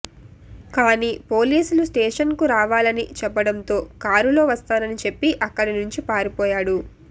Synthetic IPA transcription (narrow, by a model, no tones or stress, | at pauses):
kaːniːpo̞ːliːsulusʈeːʂɐnkuɾaːʋaːlɐnit͡ʃɛpːɐɽɐnt̪o̞ːkaːɾulo̞ːʋɐst̪aːnɐnit͡ʃe̞pːiʔɐkːɐɽinuɲt͡ʃipaːɾipɔːjaːɽu